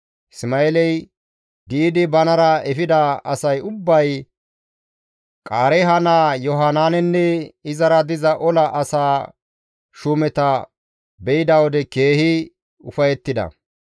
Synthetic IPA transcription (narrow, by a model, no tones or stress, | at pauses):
sɪmɐɛlɛj | ɡ̪iːd̪ɪbɐnɐɾɐɛfɪd̪ɐɐsɐjʊbːɐj | kʼaːɾɛɦɐnaːjɔɦanaːnɛnːɛɪzɐɾɐd̪ɪzɐʔɔlɐʔɐsaː | ʃʊmɛt̪ɐ | bɛjɪd̪ɐwɔd̪ɛke̞ːhɪ | ʊfɐjɛt̪ːɪd̪ɐ̰